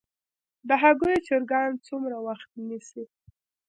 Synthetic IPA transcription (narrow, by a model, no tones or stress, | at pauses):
d̪əɦaɣujot͡ʃeɾɡɑnt͡sumɾawaxt̪̚nisi